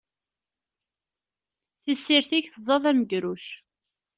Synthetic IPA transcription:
θəsːiɾθiçθəzˤːɑðˤæməɡɾuʃ

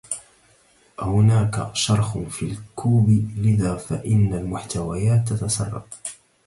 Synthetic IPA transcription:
ʔahʊnaːka̰ʃɑɾˤxʊfiːlkʰuːblɪðaːfaʔɪnːalmʊħt̪awajaːt̪ːat̪asɑrˤːɑ̰f

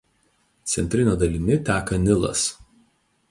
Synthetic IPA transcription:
t̪sʲɛ̰nʲt̪ʲɾʲɪnʲoːd̪ɐlʲɪnʲɪt̪ʲæːkɐnʲɪlˠɐ̰s

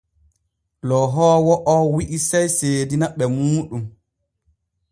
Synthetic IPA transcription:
lɔɦɔːwɔʔɔwiʔisajseːdinaɓɛmuːɗum

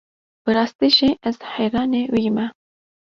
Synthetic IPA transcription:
b̥ɨɾɑːst̪iʒiʔɛzħɛjɾɑːnewiːmɛ

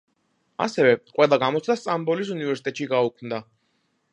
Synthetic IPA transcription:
a̰sɛvɛqʼwɛlˠaɡamɔt̪sʰd̪ast̪ʼambɔlisunivɛɾsi̥t̪ʼɛt̪ʼʃiɡaukʰmd̪a

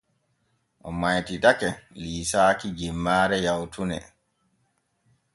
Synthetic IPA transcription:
ʔɔmajtidakɛliːsaːkid͡ʒimːaːɾɛjawtʰunɛ̰

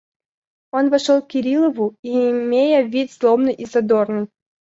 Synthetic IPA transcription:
onvɐʂolˠkʲiɾʲilˠəvuiːmʲejəvʲit̪ʲslˠomnɨjʔizɐd̪ornɨj

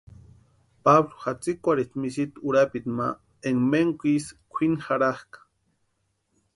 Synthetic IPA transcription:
pablo̥xat͡sikʷaɾit̪misit̪uɾapit̪ma̰ | eŋmeŋkʷiskʷʰinxaɾahkḁ

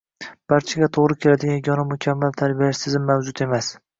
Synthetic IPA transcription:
b̥aɾt͡ʃʰaɡʲat̪ʰoʁɾɪkʲʰe̞lad̪ɪɡʲanɡʲɒnamʊkʲʰamːalt̪ʰaɾbijaʃt̪ɪzɪmːavd͡ʒʊt̪e̞mas

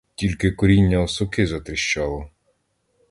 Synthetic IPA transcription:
tʲilʲkɪkɔɾʲinʲːɐɔsʊkɪzɐt̪ɾɪʃt͡ʃɑlˠɔ

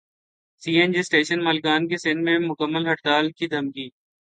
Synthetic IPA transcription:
siːẽnd͡ʒisʈeːʃənmaːlkaːnkesɪnmẽmʊkəmːəlɦɐʈt̪aːlkid̪ʱɐmkiː

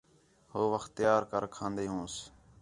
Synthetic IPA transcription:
hoːʋəxt̪ɪjaːɾkəɾkʰãːnd̪eːɦõːs

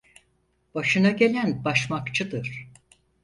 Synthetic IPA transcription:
b̥aʃɯnaɟe̞lʲænbaʃmakt͡ʃʰɯd̪ɯɾ̥

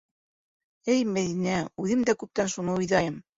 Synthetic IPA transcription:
ɘjmæðinæʉðɘmd̪ækʉp̚t̪ænʃunɤojðɑjɤm

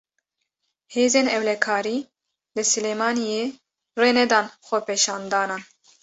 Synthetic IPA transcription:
heːzeːnɛwlɛkʰɑːɾiː | lɨsɨleːmɑːnije | reːnɛd̪ɑːnxʷɔpeːʃɑːnd̪ɑːnɑːn

